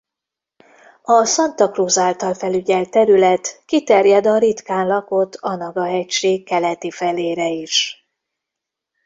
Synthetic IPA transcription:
ɒsɒnt̪ɒkruːzaːlt̪ɒlfɛlyɟɛlt̪ːɛɾylɛt̪kit̪ɛrjɛd̪ɒɾit̪kaːnlɒko̞t̪ʰɒnɒɡɒɛcʃeːkːɛlɛt̪ifɛleːɾɛiʃ

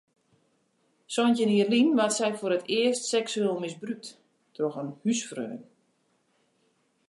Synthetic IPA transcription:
sɔjntjəniərlinʋatsɛjfʊɾətʰɪəstsɛksyeːlˠmɪsbryk̚t | trɔxənhysfrø̰ːən

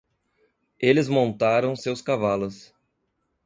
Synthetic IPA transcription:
elɪzmõnt̪aɾɐ̃w̃sewskavalʊs

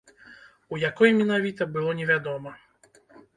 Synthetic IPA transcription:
ujakɔjmʲɛnavʲit̪ɐbɨlˠɔnʲɛvʲad̪ɔmɐ

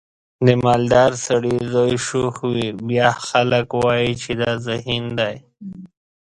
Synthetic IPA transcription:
d̪əmɑːld̪ɑːɾsaɽizojʃoxwibjɑxaləkwaːit͡ʃʰed̪azaɦind̪aj

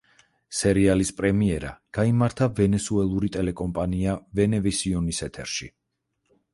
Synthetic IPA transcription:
sɛɾialispʼɾɛmiɛɾa̰ɡ̥aimaɾt̪ʰavɛnɛsuɛlˠuɾit̪ʼɛlɛkʼɔmpʼaniavɛnɛvɛsiɔnisɛt̪ʰɛɾʃi

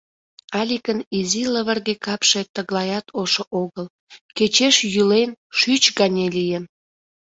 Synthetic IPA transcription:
ɑlʲikəniziləβərɣekɑpʃet̪əɣlˠɑjɑt̪ʰoʃoʔoɣəl | ket͡ɕeʃjylenʃyt͡ɕɣɑnʲelʲijən

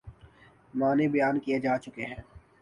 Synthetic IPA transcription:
mãːnebɐjaːnkijed͡ʒaːt͡ʃʊkeɦɛ̃ː

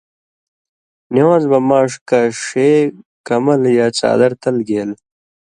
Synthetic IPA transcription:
niwãːzbɐmaːʂkaʂeːkɐmɐljaːt͡sa̰ːd̪ɐɾt̪ɐlɡeːl

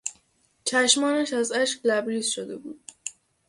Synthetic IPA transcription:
t͡ʃʰæʃmɒːnæʃæzæʃɡlæbɾiːsʃod̪e̞bṵːd̪̥̚

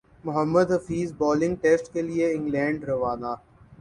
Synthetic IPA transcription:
mʊɦəmːəd̪ɦɐfiːzbɔːlɪ̃ŋɡ̚ʈeːsʈkelieɪ̃ŋɡlɛ̃ːɳɖɾɐʋaːnaː

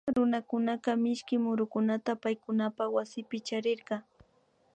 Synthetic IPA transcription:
ɾʊnakʊnaqɑmɪʃkɪmʊɾʊkʊnat̪apajkʊnapawasɪpɪt͡ʃaɾɪɾɢɑ

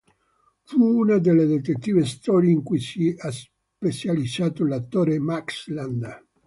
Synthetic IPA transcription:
fuunad̪elːed̪et̪et̪ːiːvest̪ɔːɾjeiŋkujsias | pet͡ʃalid̪saːt̪olat̪ːoːɾemaksland̪

